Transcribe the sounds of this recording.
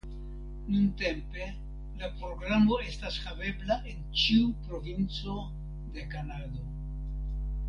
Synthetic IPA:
nunte̞mpe̞ | lapɾo̞ɡɾamo̞e̞stashabe̞blaʔe̞nt͡ʃiupɾo̞vint͡so̞ | d̪e̞kanado̞

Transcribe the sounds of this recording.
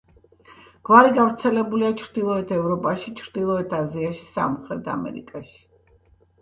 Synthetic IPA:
ɡ̥vaɾiɡavɾt̪sʰɛlɛbuliat͡ʃʰɾd̪̥ilˠɔɛt̪ʰɛvɾɔpʼaʃit͡ʃʰɾd̪̥ilˠɔɛt̪ʰaziaʃi̥sa̰mχɾɛt̪ʰa̰mɛ̰ɾḭkʼaʃi̥

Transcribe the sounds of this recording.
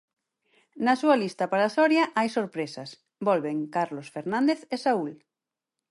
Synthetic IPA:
nasualist̪ɐpaɾasɔɾjaʔajsoɾpɾesɐs | bɔlβeŋkaɾlosfeɾnãnd̪eθesaul

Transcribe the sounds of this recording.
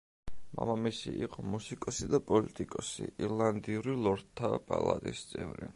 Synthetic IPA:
ma̰mamisiʔiqʼɔmusikʼɔsid̪apʼɔlit̪ʼikʼɔsḭʔiɾlˠand̪iuɾilˠɔɾt̪ʰːapʼalˠat̪ʼist̪sʼɛvɾḭ

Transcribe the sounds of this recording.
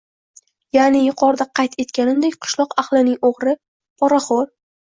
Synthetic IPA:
janɪjʊqʰɒɾd̪aqʰɑjt̪e̞t̪kʲanɪmd̪ekʲqʰʊ̥ʃlˠɒqaχlˠɪnɪŋoʁɾɪ | pʰɒɾaχɒɾ

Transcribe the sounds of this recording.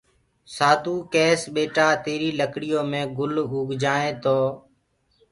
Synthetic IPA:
saːd̪uːkɛːsɓeːʈaːt̪eːɾiːləkɽɪjõːmẽːɡʊlʊːɡʱd͡ʒaːẽːt̪oː

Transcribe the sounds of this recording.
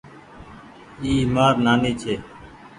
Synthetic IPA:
iːmaːɾnaːniːt͡ʃʰeː

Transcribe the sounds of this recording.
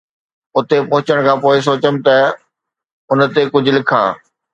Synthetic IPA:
ʊt̪epɐɦʊ̃t͡ɕəɽ̃kʰãːpoːɪs̬oːt͡ɕəmɪ̆t̪ɐ | ʊnt̪ekʊd͡ʑʱʊ̆lɪkʰa̰ː

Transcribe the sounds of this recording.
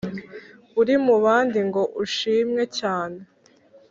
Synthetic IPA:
uɾimuβaːndiŋɡo̞ʔuʃiːmɲe̞caːne

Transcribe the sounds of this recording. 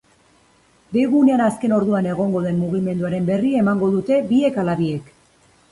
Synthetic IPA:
beɣune̞anaske̞no̞ɾðuane̞ɣ̞o̞ŋɡo̞ðe̞mmuɣ̞ime̞nd̪uaɾe̞mbe̞rie̞maŋɡo̞ðut̪e̞bie̞kalaβie̞k

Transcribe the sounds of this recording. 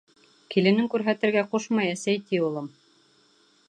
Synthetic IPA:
kilɘ̆nɘŋkʉɾɦæt̪ɘ̆ɾɡæqoʃmɑjæsæjt̪iulˠɤm

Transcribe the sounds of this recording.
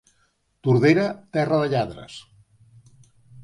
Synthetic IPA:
t̪uɾðeɾət̪ɛrəðəʎaðɾə̰s

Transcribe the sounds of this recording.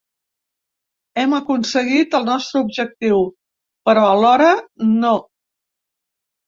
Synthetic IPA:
ɛməkunsəɣit̪əlˠnɔst̪ɾəubʒək̚t̪iw | pəɾɔəlɔɾəno

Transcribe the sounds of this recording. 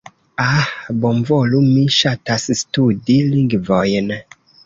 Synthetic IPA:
abɔmvɔlumiʃatasstudiliŋɡvɔjn

